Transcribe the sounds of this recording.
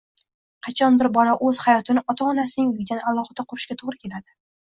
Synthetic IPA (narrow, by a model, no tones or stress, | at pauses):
qʰɑt͡ʃʰɒnbɪɾbɒlaʔɵz̥hajɒt̪ʰɪnɪʔɒt̪ʰaːnasɪnɪŋjʊɡʲd̪analˠɒχɨd̪aqʰʊɾɪʃkʲat̪ʰoʁɾɪkʲʰe̞lad̪ɪ